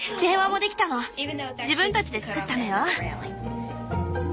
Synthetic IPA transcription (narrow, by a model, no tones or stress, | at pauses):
d̪̥ẽ̞ːβamo̞d̪e̞kʲi̥t̪ano̞d͡ʑibɯ̟̃nt̪at͡ɕid̪e̞t͡sɨ̥kɯ̟t̪ːano̞jo